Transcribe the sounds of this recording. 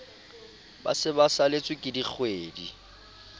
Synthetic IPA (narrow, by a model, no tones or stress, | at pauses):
ba̰sɪbasalet͡sʼwɪkʼɪdik͡xʰweːdi